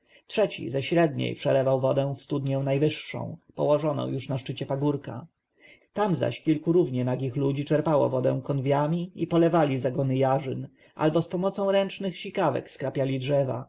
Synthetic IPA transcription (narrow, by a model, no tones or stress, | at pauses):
tʂɛt͡ɕḭzɛɕɾɛd̪ɲḛjpʂɛlɛvawvɔd̪ɛ̃w̃fst̪ud̪ɲɛw̃najvɘʂːɔ̰̃w̃pɔ̰wɔʐɔnɔ̰̃w̃juʂnaʂt͡ʂɘt͡ɕɛpaɡuɾka̰ | t̪amza̰ɕkʲilkuɾuvɲɛnaɡʲixlud͡ʑit͡ʂɛɾpawɔ̰vɔd̪ɛ̰̃w̃kɔnvʲjamʲiipɔlɛvalʲizaɡɔnɘjaʐɘn | ʔa̰lbɔspɔmɔt̪sɔ̃w̃ɾɛnt͡ʂnɘxɕikavɛ̰kskɾapʲjalʲidʐɛva̰